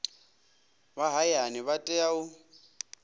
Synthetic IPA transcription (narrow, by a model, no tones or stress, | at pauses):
baɦajanɪβatʼɛaʊ